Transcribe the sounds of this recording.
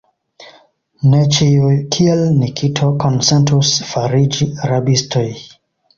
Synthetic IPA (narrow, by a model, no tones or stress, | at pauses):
net͡ʃiukʰielnikʰitʰokonsentusfaɾid͡ʒiɾabistʰoj